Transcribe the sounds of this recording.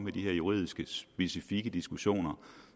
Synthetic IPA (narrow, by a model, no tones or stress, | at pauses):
med̥iheɐ̰juʁḭðˠisɡ̥əsb̥e̝sifiɡ̥əd̥isɡ̥uɕo̝̰ːnɐ